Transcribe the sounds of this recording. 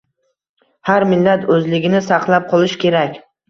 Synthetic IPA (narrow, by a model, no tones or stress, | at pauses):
haɾmɪlːat̪ʰɵzlɪɡʲɪnɪsɑqlˠap̚qʰɒlˠɪʃkʲʰe̞ɾakʲ